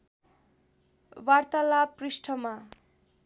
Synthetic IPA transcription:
wart̪alaprisʈʰʌma

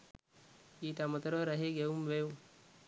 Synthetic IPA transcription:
iːʈamət̪əɾoɾɐɦeɡeumʋeu

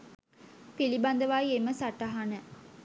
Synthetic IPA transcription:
piliband̪əʋajeməsaʈaɦanə

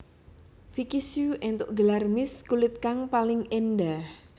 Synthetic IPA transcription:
fikisuʔɛnt̪ʊʔɡəlarmɪskulɪt̪̚kaŋpalɪŋenɖa

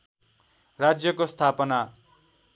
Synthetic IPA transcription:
rad͡zjʌkost̪ʰapʌna

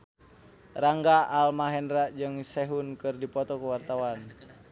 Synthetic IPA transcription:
raŋɡaʔːlmaɦɛnraʔd͡ʒɨŋsɛɦunkɨrdipɔt̪ɔkuwart̪awan

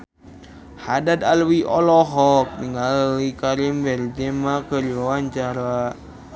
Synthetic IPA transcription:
hadad̪alwiʔɔlɔɦɔk̚niŋalwikaɾimbɛld͡ʒemakərlowaɲt͡ʃaɾa

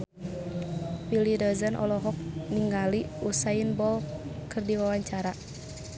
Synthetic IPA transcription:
pilidɔzənʔɔ̰lɔɦɔk̚niŋɡaliusainbɔlkɨrdiwawaɲt͡ʃaɾa

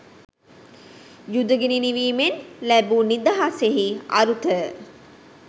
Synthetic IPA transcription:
jud̪əɡeniniʋiːmenlæbunid̪aɦaseɦia̰ɾut̪ə

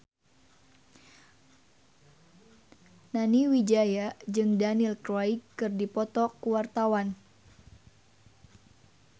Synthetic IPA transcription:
naniwid͡ʒajad͡ʒɨŋdanilkɾajkːɨrdipɔt̪ɔkuwart̪awan

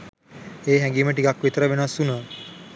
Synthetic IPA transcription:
eːɦæŋɡiːməʈ̬ikakʋit̪əɾəʋenəʋasunə

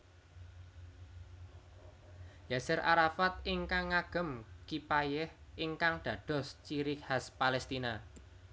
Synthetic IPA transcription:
jasɛɾʔaɾafat̪̚ɪŋkaŋːaɡ̥ə̤mkipajɛhʔɪŋkaŋd̪̥ä̤d̪̥ɔ̤st͡ʃiɾɪk̚haspalɛst̪ina

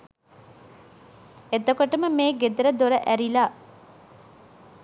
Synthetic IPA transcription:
et̪okoʈəməmeːɡed̪ɐɾəd̪oɾəʔæɾilaː

